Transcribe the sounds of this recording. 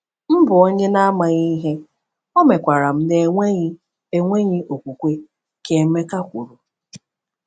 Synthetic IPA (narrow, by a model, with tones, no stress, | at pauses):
m̩˦bʊ˨o˦ɲe˦na˦a˦ma˨ɣi˦ɦe˦ | o˦me˨kʷa˨ɾa˨m̩˦ne˨ŋʷe˦ɲi˦ | e˦ŋʷe˦ɲɪ˦ʔo˨kʷu˨kʷe˦ | ke˨˦me˦ka˦kʷu˨ɾu˨